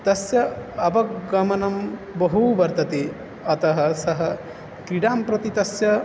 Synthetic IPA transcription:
t̪ɐsjɐɐbɐkɡɐmɐnɐmbɐɦubɐɾt̪ɐt̪e | ɐt̪ɐɦɐ̆sɐɦɐ̆ | kɾiɖaːmpɾɐt̪it̪ɐsjɐ

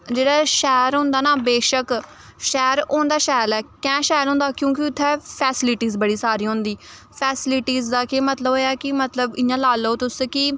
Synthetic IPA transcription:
d͡ʒeːɽaːʃɛːɾɦõːnd̪aːnaːbeːʃək | ʃɛːɾõːnd̪aːʃɛːlɛːkɛ̃ːʃaːjlɦõːnd̪aːkjõːkɪʊt̪ʰːɛːpʰɛːsɪlɪʈiːzbəɽiːsaːɾiːɦõːnd̪iː | pʰɛːsɪlɪʈiːzd̪aːkemət̪ləboːaːkɪmət̪ləbɪ̃jãːlaːloːt̪ʊskɪ

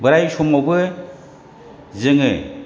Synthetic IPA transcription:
bɯɾajsɔmawbɯ | zɯŋɯ

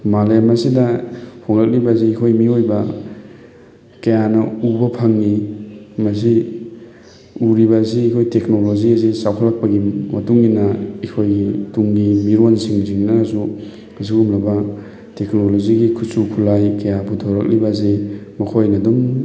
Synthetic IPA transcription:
malemasidɐpʰoŋlak̚libaziːkʰojmiojbɐ | kɐjanɐubɐpʰaŋnimɐs̬i | uɾiβɐs̬iːkʰojtek̚noloziazisawkʰalːak̚pɐɡimɐtuŋɡinɐikʰojtuŋɡimiɾonsiŋziŋnɐsu | ɐs̬iumlɐbɐ | teknoloziɡikʰusukʰulajkɐjabutʰoɾɐk̚libɐzemɐkʰojnɐdum

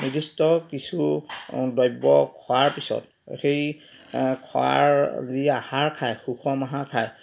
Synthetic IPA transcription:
nidistɔkisu | dɔjbɔkʰɔwaɹpisɔ̰t̚ | xej | kʰɔ̰a̰ɹziahaɹkʰajxuxʰɔmaɦakʰaj

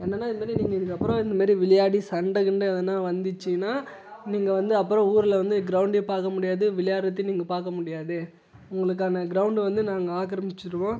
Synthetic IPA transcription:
ɛnːɐnːaːɪnːɐmaːɾɾiniːŋɡɐɪðɯkːɐpːɯɾɔ̃ɪnd̪ɐmaːɾɾiʋɪɭɐjaːɽisɐɳɖɐɣɪɳɖɯɐðɐnːaːʋɐnd̪ɯt͡ʃːɪnːaː | niːŋɡɐʋɐnd̪ɯɐpːɯɾɔ̃uːɾɯlɐʋɐnd̪ɯɡɪɾɐʊɳɖepaːɾkɐmʊɽɪjaːðɯʋɪlɐjaːɽɐt̪ːɪniːŋɡɐpaːɾkɐmʊɽɪjaːðɯ | ʊŋɡɐɭɯkːaːnɐɡɪɾɐʊɳɖɯʋɐnd̪ɯnaːŋɡɐaːkɐɾɐmɪt͡ʃːɪɾɯʋõː

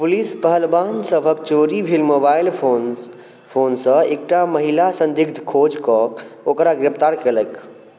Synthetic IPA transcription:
pulispəɦəlbansəbʱək̚t͡ʃoɾibʱilmobailon | pʰonsə̃ek̚ʈaməɦilasə̃nd̪iɡ̚d̪ʱkʰod͡ʒkɔokɾaɡɾept̪aɾkelək

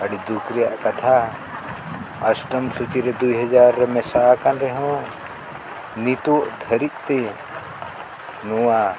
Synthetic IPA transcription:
əɽid̪ukɾijaʔkɐt̪ʰa | ɐsʈəmsut͡ʃiɾɛd̪ujɦɐd͡ʒaɾːɛmɛsakanɾɛɦɔ̃ | nit̪oʔd̪ʱəɾit̪̚t̪e | nuwa

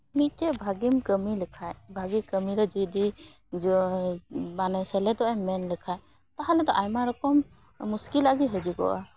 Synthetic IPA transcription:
mit̪̚ˀt̪ɛbʱaɡimkəmilɛkʰajbʱaɡikəmiɾɔd͡ʒud̪i | d͡ʒ | manɛsɛlɛd̪ɔʔɛmɛnlɛkʰaj | t̪aɦalɛd̪ɔʔajmaɾɔkɔmː | uskilaɡiɦɛd͡ʒiɡɔ̰ʔa̰

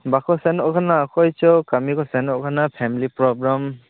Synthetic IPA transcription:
bakɔsɛnɔkʰanaːkɔjt͡ʃɔkamikɔsɛnɔkʰanapʰɛmilipɾɔbɾam

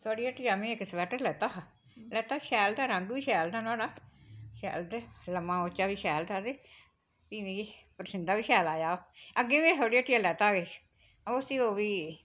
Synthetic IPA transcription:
t̪ʰoːɽiːəʈːijaːmĩːɪkːspɛːʈəɾlɛːt̪aːɦa | lɛːt̪aːʃɛːlt̪aːɾə̃ŋɡʋiːʃɛːlt̪ãːnaːɽaːʃɛ̰ːlt̪eləmãːot͡ʃaːʋiːʃɛːlt̪aːd̪eː | piːʋĩːpəɾəsɪnd̪aːʋiːʃɛːlaːd͡ʒaːoːəɡẽːʋẽːt̪ʰoːɽiːəʈːijaːlɛːt̪aːɡeː | aosiːoːʋiː

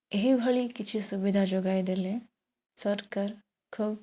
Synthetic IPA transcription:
ɦibʱɐɭikɪt͡ʃʰisʊbɪd̪ʱad͡ʒoːɡaːid̪elẽ | sɐʈkəɾ | kʰʊb

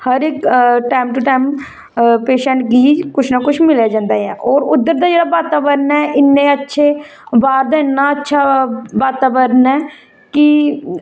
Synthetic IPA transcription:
həɾɪkʈaːmʈʊʈaːjm | peːʃə̃ɳʈɡiːd͡ʒkʊt͡ʃʰnaːkʊt͡ʃʰmɪljaːd͡ʒãːnd̪aːɛːʔɔːɾʊd̪ːəɾd̪aːd͡ʒeːɽaːbaːt̪aːʋəɾnɛːʔɪnːẽːətːʃʰeː | baːɾd̪aːɪnːaːətːʃʰaːʋaːt̪aːbəɾnɛː | kɪ

